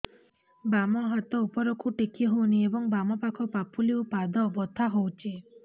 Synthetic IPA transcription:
bamɔɦat̪ɔupɔɾokʰuʈikʰiɦowniebɔŋbamɔpakʰɔpapʰuliwpad̪ɔbɔt̪ʰaɦowt͡ʃʰe

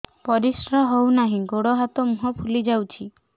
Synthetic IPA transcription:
pɔɾisɾaɦownaɦĩɡoɽɔɦat̪ɔmuɦɔpʰulid͡ʒawt͡ʃʰi

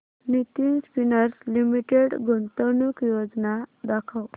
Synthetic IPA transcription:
nit̪inspinəɾslimiʈeɽɡʱont̪ənukjod͡znad̪akʰaw

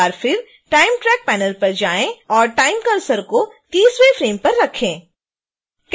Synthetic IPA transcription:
aːɾfɪɾ | ʈaːɪmʈɾɛːk̚pɛːnəlpɐɾd͡ʒaːẽɔːɾʈaːɪmkɐɾsəɾkot̪iːswefɾeːmpɐɾːɐkʰẽː | k

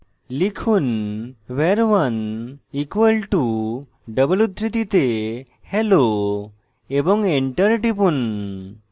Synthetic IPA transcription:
likʰunʋeɾʋɐnikʋəlʈu | ɖəbəlud̪ʱɾit̪it̪e | helo | ebɔŋɡeɳʈəɾʈipun

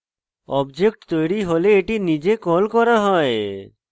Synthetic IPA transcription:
ɔːbd͡ʒekʈt̪ojɾiɦoleːʈinid͡ʒekɔlkɔɾaɦɔe

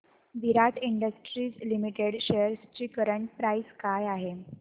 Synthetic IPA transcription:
ʋiɾaʈʰiɳɖəsʈɾiːt͡slimiʈeɽɕejəɾst͡ɕiːkəɾəɳʈ̚pɾajskajaɦe

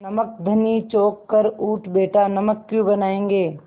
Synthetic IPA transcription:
nɐmək̚d̪ʱɐnit͡ʃoːkːɐɾuːʈʰbeːʈanɐməkːjũbɐnaːẽːŋɡeː

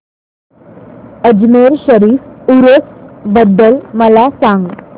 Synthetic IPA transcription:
əd͡ʑmeɾɕəɾiːfuɾəsbəd̪ːəlməlasaŋɡ

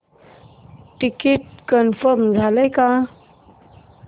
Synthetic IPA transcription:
ʈikiʈ̚kənfəɾmd͡zʱaləjka

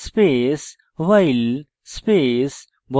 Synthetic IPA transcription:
speːs | ʋaɪl | speːs | b

